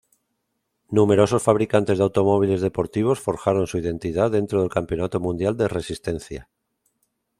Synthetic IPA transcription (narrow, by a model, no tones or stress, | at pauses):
nume̞ɾo̞so̞sfaβɾikant̪e̞zðawt̪omo̞β̞ile̞zðe̞po̞ɾt̪iβ̞o̞sfo̞ɾxaɾo̞nsuiðe̞nt̪iðaðe̞nt̪ɾoð̞e̞lkampjo̞nat̪o̞mũnd̪jald̪ere̞sist̪ẽ̞n̟θja̰